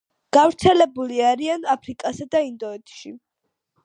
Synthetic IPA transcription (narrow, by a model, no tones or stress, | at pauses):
ɡ̥avɾt̪sʰɛlɛbuliaɾianapʰɾikʼasɛd̪aind̪ɔɛt̪ʰʼʃi